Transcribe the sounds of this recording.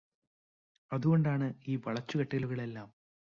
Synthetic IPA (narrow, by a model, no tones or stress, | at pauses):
ɐðuɣo̞ɳɖaːɳɨiːʋɐɭɐt͡ɕːukɐʈːɐɣɐluɣɐɭe̞lːaːm